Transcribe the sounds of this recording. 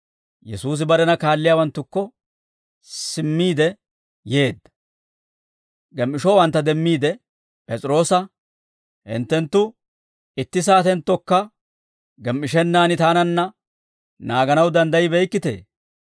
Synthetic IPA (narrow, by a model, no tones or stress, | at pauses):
jɛsuːs̬ɪbɐɾɛnɐkaːlːɪjaːwɐnt̪ːʊkːɔ | sɪmːiːd̪ɛ | je̞ːd̪ːɐ̥ | ɡɛmʔɪʃɔwɐnt̪ːɐd̪ɛmːiːd̪ɛ | pʼɛt͡sʼɪɾo̞ːsɐ | hɪ̰nt̪ːɛnt̪ːʊ | ɪt̪ːɪs̬aːt̪ɛnt̪ːɔkːɐ | ɡɛmʔɪʃɛnːaːnɪt̪aːnɐnːɐ | naːɡɐnɐwd̪ɐnd̪ɐjɪbɛjkːɪt̪ḛː